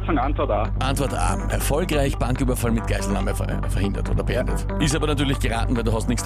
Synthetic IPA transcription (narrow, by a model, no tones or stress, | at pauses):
faŋantvɔɐta | ʔantvɔɐta̰ːʔɛɐfɔlkʁaɪçb̥aŋkyːbɐfalmɪt̚ɡ̥aɪzl̩namə̰ | fɛɐhɪndɐ̰to̰ːdɐbeʔɛ̰ndət | ʔɪstaːbɐnatyɐlɪçɡ̥əʁa̰ːtn̩vɛɪduːɦhastnɪçs